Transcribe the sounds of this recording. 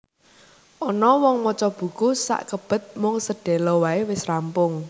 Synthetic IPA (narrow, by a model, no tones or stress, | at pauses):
ʔɔnɔwɔŋmɔt͡ʃɔb̥ṳkusa̰ʔkəb̥ə̤t̪̚mʊŋsəɖ̥ɛ̤lɔwaewɪsrampʊŋ